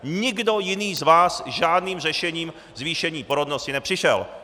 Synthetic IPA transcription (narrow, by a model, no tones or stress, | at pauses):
ɲɪɡdo̞jɪniːzvaːsʒaːdniːmrɛʃɛɲiːm | zviːʃɛɲiːpoɾodnoscɪnɛpr̥ɪʃɛ̰l